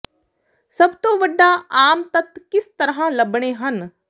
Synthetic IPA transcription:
sɐbt̪õːʋəɖːãːaːmt̪ɐt̪kɪst̪əɾɦãlɐbɽ̃eːɦən

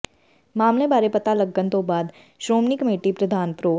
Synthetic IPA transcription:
maːmlebaːɾepɐt̪alɐɡːənt̪obaːd̪ | ʃɾoːmnikəmeːʈipɾɐd̪ʱaːnpɾoː

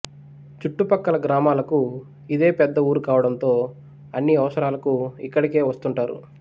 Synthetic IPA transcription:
t͡ʃuʈːupɐkːɐlɐɡɾaːmaːlɐku | id̪e̞ːpɛd̪ːɐuːɾukaːʋɐɽɐnt̪o̞ː | ɐnːiɐʋɐsɐɾaːlɐkuikːɐɽike̞ːʋɐst̪uɳʈaːɾṵ

